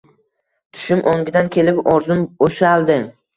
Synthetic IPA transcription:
t̪ʰʊ̥ʃʊmʔoŋɡʲɪd̪ankʲʰe̞lɪpɒɾzʊmoʃalˠd̪ɪ

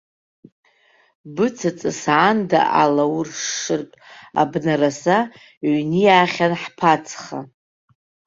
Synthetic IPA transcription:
bɨt͡sʰat͡sʼɨsʕanda̰ʔalawrʂʂɨrtʼa̰bnarasa | ʕnijaːχʲanħpʰat͡sʰχa̰

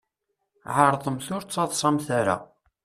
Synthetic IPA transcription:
ʕəɾˤðˤəmθʊɾt͡sːɑðˤsˤɑmθaɾa̰

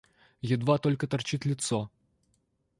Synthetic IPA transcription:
jɪd̪vat̪ɔlʲkət̪ɐrt͡ɕit̪ʲlʲɪt̪sɔ

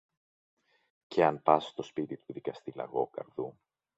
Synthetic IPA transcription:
ceɐnpɐsst̪o̞spit̪it̪uðikɐst̪ilɐ̰ɣo̞kɐ̰ɾðu

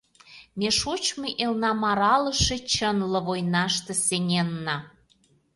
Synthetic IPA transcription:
meʃut͡ɕmɤʔelnɑmɑɾɑlə̆ʃĕt͡ɕənlɤ̆βojnɑʃt̪ə̆senʲenːɑ

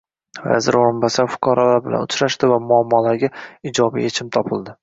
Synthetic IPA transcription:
va̰zɪɾoɪmbasaɾfʊ̥qʰɒɾɒlaɾbɪla̰nʊt͡ʃɾaʃt̪ɪvamʊamːɒlaɾɡʲaɪd͡ʒɒbijet͡ʃʰɪmt̪ʰɒpʰɪlˠd̪ɪ

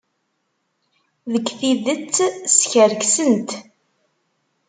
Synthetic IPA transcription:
ðəɡθiðət͡sːsçəɾɡsənt̪

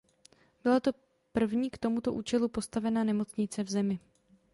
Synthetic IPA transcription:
b̥ɪlat̪o̞ | pr̩vɲiːkt̪o̞mut̪o̞ʔṵːt͡ʃɛlupo̞st̪avɛnanɛmo̞t͡sɲɪt͡sɛvzɛmɪ

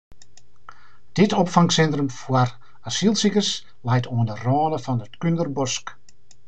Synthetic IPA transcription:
d̥ɪtɔpfaŋsɛntrəmfuər | asilˠsikəs | lɛjtoənərɑːnəfɑnətkøndərbɔsk

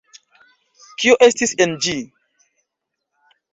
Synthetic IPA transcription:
kioʔestisend͡ʒi

